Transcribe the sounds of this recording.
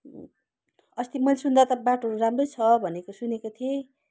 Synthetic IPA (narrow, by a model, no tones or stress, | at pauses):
ʌst̪imʌlsund̪ʌt̪ʌbaʈɦʌɾuɾamrojt͡sʰʌbʱʌnekosunekot̪ʰie